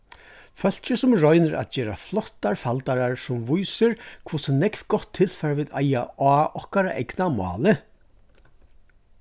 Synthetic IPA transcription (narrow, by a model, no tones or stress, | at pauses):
fœl̥t͡ʃɪsʊmɾɔjnɪɾʔa̰t̪d͡ʒɛːɾa̰flɔht̪ːaɹfalt̪aɾaɹsʊmvujsɪɹkʰvusɪnɛkvɡɔht̪ʰːɪl̥fɛɾaʋiːða̰jaaːʔɔhkaɾaʔɛ̰knamɑ̰ːlɪ